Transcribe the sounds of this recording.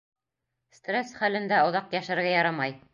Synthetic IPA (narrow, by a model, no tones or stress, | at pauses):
st̪resχælɘ̆nd̪æŏðɑqjæʃɘ̆ɾɡæjɑɾɑmɑj